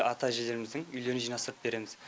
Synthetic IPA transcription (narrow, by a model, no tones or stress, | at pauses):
ʔɑt̪ɑʒed̪e̞ɾɪmɪzd̪ɪŋʏjle̞ɾɪnʒijnɑst̪əɾəp̚be̞ɾe̞mɪz